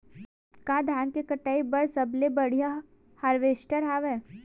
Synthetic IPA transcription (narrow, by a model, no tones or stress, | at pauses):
kaːd̪ʱaːnkekəʈaːibɐɽsɐblebɐɽ̤ija | haɾʋeːsʈəɾɦaʋɛː